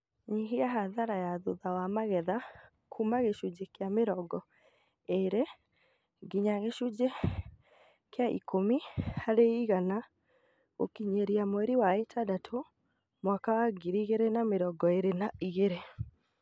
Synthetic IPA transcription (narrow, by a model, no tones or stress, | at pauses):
ɲiɦiaɦaðaɾajaðoðawamaɣɛða | kʰumaɣeʃud͡ʒekjameɾɔɡɔ | eɾe | ɡiɲaɣeʃud͡ʑe | keaʔḭkomihaɾeiɣana | o̰kiɲeɾiamwɛɾiwaetʰadatʰo | mwakawaɡiɾiɣeɾenameɾɔɡɔeɾenaʔiɣeɾe